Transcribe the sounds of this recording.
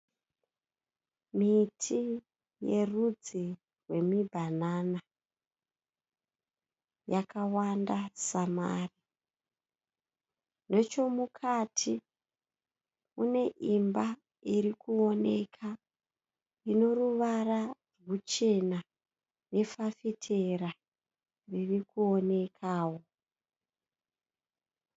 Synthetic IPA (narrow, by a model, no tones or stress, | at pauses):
mitʰi | je̞̰rud͡zi | rwe̞mibʱanaːna | jakawandasama̰ri | no̞t͡ʃo̞mukʰatʰi | une̞ʔimba | iɾikuo̞ne̞kʰa | ino̞ruʋararɡut͡ʃe̞na | ne̞fafitʰe̞ɾa | ririkuo̞ne̞kʰaːwo̞